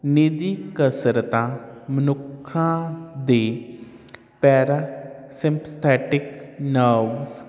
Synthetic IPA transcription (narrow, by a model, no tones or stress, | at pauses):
nid̪iːkəsɾət̪ãːmənʊkʰːãːd̪eː | pɛːɾasɪ̃mpʰt̪ʰɛːʈɪknaːbz